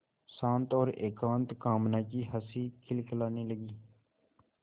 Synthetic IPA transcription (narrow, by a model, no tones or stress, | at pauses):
sãːnt̪oːɾeːkãːnt̪kaːmnaːkiːɦəsiːkʰɪlkʰəlaːniːləɡiː